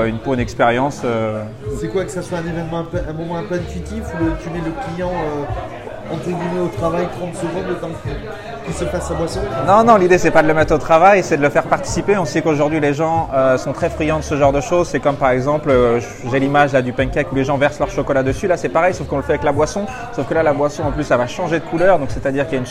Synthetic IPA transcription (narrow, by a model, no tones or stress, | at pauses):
ynpoynɛkspeʁjɑ̃sø | sɛkwakə̥saswaɛ̃nevɛnmɑ̃ɛ̃pøʔɛ̃mɔmɑ̃ɛ̃pøɛ̃t̪ɥit̪ifulət̪ymɛləklijɑ̃ø | ɑ̃t̪χəɡʲimɛot̪χavajt̪χɑ̃t̪səɡɔ̃lət̪ɑ̃kɛ | kəsɛfasabwasɔ̃nɔ̃nɔ̃lid̪esɛpad̪ələmɛt̪χot̪χavajsɛd̪ələfɛʁpaʁt̪i̥sipeɔ̃sɛkoʒuʁd̪ɥileʒɑ̃øsɔ̃t̪χɛfχijɑ̃d̪əsəʒɑ̃ʁd̪əʃozsɛkɔmpaʁɛɡzɑ̃plø | ʒelimaʒlad̪ypɛ̃kɛkuleʒɑ̃vɛʁslœʁʃɔkɔlad̪əsylasɛpaʁɛjsofkɔ̃ləfɛavɛklabwasɔ̃ | sofkəlalabwasɔ̃ɑ̃plysavaʃɑ̃ʒed̪əkʰulœʁd̪ɔ̃ksɛt̪ad̪iʁkəljayn